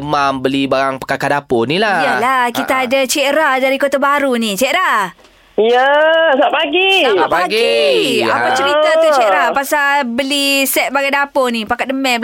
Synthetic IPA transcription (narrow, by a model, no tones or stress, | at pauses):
mambəlibaɾaŋpə̥kakaʔdaponilajəlakit̪aːd͡ʒat͡ʃeʔɾadaɾikot̪abaɾunit͡ʃeɾa | ijəsapaɡiapaɡiapat͡ʃəɾit̪at̪ut͡ʃeʔɾapasabəlisɛt̪̚baɡadaponipakat̚dəmɛ̃bə